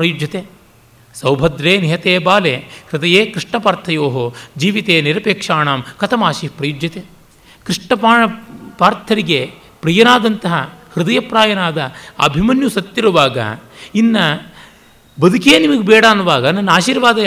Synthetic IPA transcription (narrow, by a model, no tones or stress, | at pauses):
pɾɐjud͡ʒjɐt̪eː | sɐwbʱɐd̪ɾeːniɦɐt̪eːbaːleːhɾɪd̪ɐjeːkɾiʂɳɐpaːɾt̪ʰɐjoːɦod͡ʒiːʋit̪eːniɾɐpeːkʂaːɳaːmkɐt̪ʰɐmaːʃiɦpɾɐjud͡ʒjɐt̪eː | kɾiʂɳɐpːpaːɾt̪ʰɐɾiɡe | pɾijɐnaːd̪ɐnt̪ɐɦɐhɾɪd̪ɐjɐpɾaːjɐnaːd̪ɐɐ̰bʱimɐnjusɐt̪ːiɾuʋaːɡɐ̰inːɐ | bɐd̪ʱukenimɐɡebɛːɽaːnːuʋaːɡɐnːɐnːaːʃiːɾʋaːd̪ɐ